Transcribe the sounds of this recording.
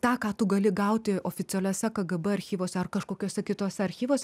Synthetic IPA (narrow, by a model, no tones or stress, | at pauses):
t̪ɑːkɑːt̪ʊɡɐlʲɪɡɐʊt̪ʲɪoːfʲɪt͡s̪ʲɛlʲɛːsʲɛkɐɡɐbɛɐɾʲxʲiːʋoːsʲɛɐrkɐʃkoːkʲoːsʲɛkʲɪt̪oːsʲɛɐɾʲxʲiːʋoːsʲɛ